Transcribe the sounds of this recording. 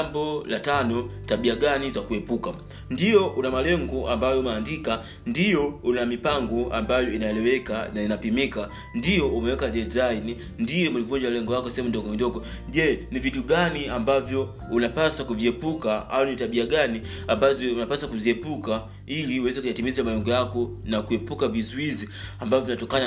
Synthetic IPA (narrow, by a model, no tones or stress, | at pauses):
ambɔlatanɔtaɓiaɡanizakuɛpuka | ndijɔʔunamalɛŋɡɔambajɔumaːndika | ndijɔunamipaŋɡɔa̰mbajɔinaɛlɛwɛkanainapimika | ndijɔʔumɛwɛkaɗɛzaini | ndijɔmulivuɲd͡ʒalɛŋɡɔwakɔsɛɛmundɔɡɔmindɔɡɔ | ʄɛːnivituɡaniambavjɔ | unapasakuviɛpukaawɔnitaɓiaɡani | ambazɔunapasakuziɛpuka | iliuwɛzɛkujatimizamalɛŋɡɔjakɔnakuɛpukavizuiziambavɔvinatɔkana